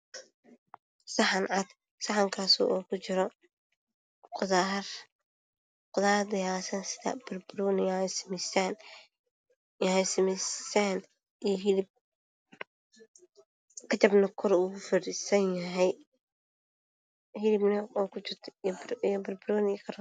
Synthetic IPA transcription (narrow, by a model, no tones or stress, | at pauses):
sɑħɑnʕɑd̪ | sɑħɐŋkʰaːsṵʔɔːkʰʊt͡ʃɪɾɔ | qʊðar | qʊðaːd̪ɐjaːsɐnsɪðɐ̰b̥ɐrbɾɔnɪjasmɛsaːn | jɐhɛsɐmɛsaːn | ijɦɪlɪb̚ | kʰɐt͡ʃɐbnɐkʰɔɾuːʊfɪɾisɐnjɐɦɛj | hɪlɪbnɐɔːkʰʊt͡ʃɪrt̪ʰijbɐrbʊɾɔːnɪjkʰɐɾ